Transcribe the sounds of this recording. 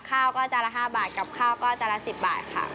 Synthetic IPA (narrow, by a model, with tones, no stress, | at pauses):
kʰaː˥˩wkɔː˥˩t͡ɕa˧˩la˦˧ɦaː˥˩baː˨˩t̪̚ka˨˩p̚kʰaː˥˩wkɔː˥˩t͡ɕa˧˩la˦˥si˨˩p̚ba̰ː˨˩t̪̚kʰa̰˥˩